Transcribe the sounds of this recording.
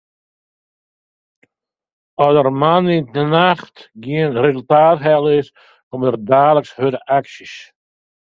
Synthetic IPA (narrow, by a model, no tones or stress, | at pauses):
ɔsdərmaniənaχtɡiənrezəlˠtaːtɦɛlˠɪs | kɔmdərdaːləkshødəʔaksis